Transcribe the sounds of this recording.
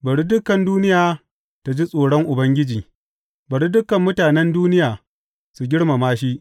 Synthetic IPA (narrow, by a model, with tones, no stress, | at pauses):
bɐ˨ɽi˦dʊ˦kɐ˨nduː˦nɪ˦jaː˨ | ta˨d͡ʒi˦sʼoː˨ɽɔ˦ŋʔʊ˨bɐ˦ŋɡʲɪ˦d͡ʒiː˨ | bɐ˨ɽi˦dʊ˦kɐ˨mːʊ˦taː˨nɛ˦nduː˦nɪ˦jaː˨ | su˨ɡʲɪ˦ɽma˨maː˦ʃi˦ʔ